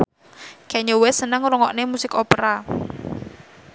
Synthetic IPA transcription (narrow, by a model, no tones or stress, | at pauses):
kɛɲowesənəŋrɔŋɔʔnemusɪkɔpəɾa